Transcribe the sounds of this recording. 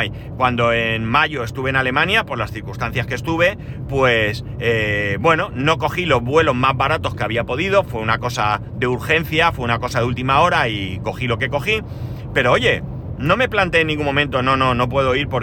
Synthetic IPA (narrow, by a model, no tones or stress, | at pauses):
j | kwand̪o̞enmaʝo̞e̞st̪uβeenale̞mãnjapo̞ɾlasθiɾkust̪anθjaskest̪uβ̞e̞ | pwe̞s | ebwe̞no̞no̞ko̞xilo̞zβwe̞lo̞zmazβaɾat̪o̞ske̞aβ̞iapo̞ðiðo̞fwe̞unako̞sa | ðe̞uɾxe̞n̟θjafweunako̞saðult̪imao̞ɾaiko̞xilo̞ke̞ko̞xi | pe̞ɾo̞o̞ʝe̞ | nõ̞me̞plant̪eenːĩŋɡumõ̞mẽnt̪o̞nõ̞no̞no̞p̬we̞ð̞o̞iɾpo